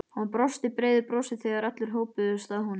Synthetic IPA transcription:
hanpɾɔst̪ɪpɾeːjðɪpɾɔsɪθɛːɣaɾat̪lɪɾ̥ɦoːwpʏðʏst̪aðhun

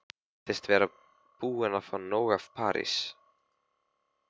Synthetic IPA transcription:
θɛst̪vɛːɾa | b̥uːɛnafanɔːwɣafpʰa̰ːɾḭs

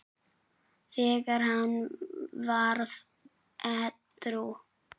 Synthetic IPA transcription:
θɛːkaɾhanvaɾð | ɛ | t̪ɾu

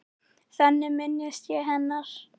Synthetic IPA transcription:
θɛnːɪmɪnːɪst̪jɛɦɛnːaɾ̥

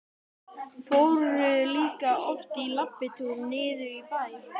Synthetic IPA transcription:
fowɾʏliːkaɔft̪ilapːɪt̪ʰulnɪːðʏɾipaj

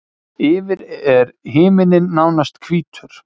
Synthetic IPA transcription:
ɪːvɪɾɛɾɦɪːmɪnɪnːaːwnast̪kʰviːt̪ʰʏɾ̥

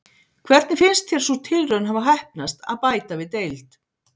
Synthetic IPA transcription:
kʰvɛɾt̪nɪfɪnst̪θjɛɾ̥sut̪ʰɪlrœnɦavaɦajhp̚nast̪a̰ðpaːjt̪avɪðt̪ejlt̪

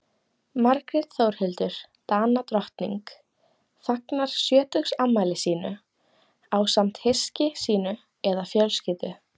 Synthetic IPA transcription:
maɾkɾɛt̪θowɾ̥hɪlt̪ʏɾ̥t̪aːnat̪ɾɔht̪nḭŋk | faknaɾ̥sjœːt̪ʏxsamːaːjlɪsiːnʏ | aːwsam̥t̪hescɪsiːnʏ | ɛðafjœlscɪːt̪ʏ

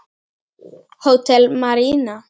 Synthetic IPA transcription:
hot̪ɛlmaɾina

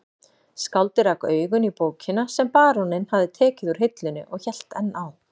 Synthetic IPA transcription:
skawlt̪ɪɾakœːɥɣʏnipoːwcʰɪnasɛmpaːɾɔnɪnhavðɪt̪ʰɛːcɪðuɾ̥ɦɪjt̪lʏnːɪ̰ʔɔɣçɛl̥t̪ɛnːaw

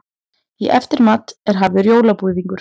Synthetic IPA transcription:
iʔɛft̪ɪɾmaːt̪ɛɾ̥ɦaːvʏɾjoːwlapuviŋkʏɾ̥

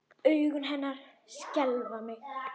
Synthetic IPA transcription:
œɥɣʏnɦɛnːaɾ̥ | scɛlvamɪɣ

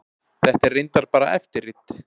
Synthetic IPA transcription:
θɛht̪ɛrɪjnt̪aɾpaːɾa̰ʔɛ̰ft̪ɪrːɪt̪

